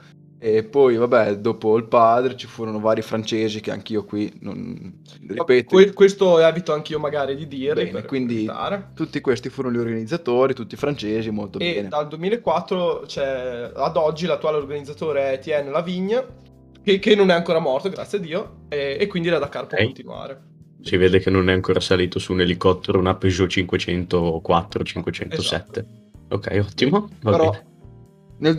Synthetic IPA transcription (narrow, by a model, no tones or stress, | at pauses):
epːɔjvabɛd̪oːpoilpaːd̪ɾet͡ʃifuːɾonovaːɾifɾant͡ʃeːzik̟ea̰ŋk̟iːokwino̰n | ripɛt̪ekwest̪oɛːbit̪oaŋk̟iomaɡaːɾid̪id̪iːɾɛnekwind̪it̪a̰ːɾet̪ut̪ːikwest̪ifuːɾonoʎiorɡanid̪zːat̪oːɾit̪ut̪ːiːfɾant͡ʃeːzimolt̪obɛːned̪ald̪uemiːleekːwat̪ːɾot͡ʃɛad̪ɔd͡ʒːilat̪ːuaːleorɡanid̪zat̪oːɾet̪iɛnːelaviɲːa | kekenːonɛaŋkoːɾamɔrt̪oɡɾat̪sjad̪iːo | ɛekːwind̪ilad̪akːarpokont̪inua̰ːɾe | siveːd̪ekenːonɛaŋkoːɾasaliːt̪osuːnelikɔt̪ːeɾonapːeʒot͡ʃiŋkwet͡ʃɛnt̪okwat̪ːɾot͡ʃiŋkwet͡ʃɛnossɛ̰t̪ːeokːɛ̰jɔt̪ːimovabeɾɔe | nel